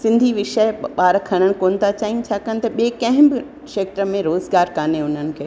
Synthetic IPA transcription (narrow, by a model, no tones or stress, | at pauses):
sɪ̃nd̪ʱiʋɪʃəɓaːɾɐkʰɐɽ̃əɽ̃̆koːnt̪at͡ɕaːɦĩt͡ɕʰaːkəːñɪ̆t̪ɐɓieːkɐ̃ɦɪ̃mbɪ | ʃeːk̚ʈɾəmẽɾoːzɡaːɾkaːneʊn̤ənɪ̆kʰeː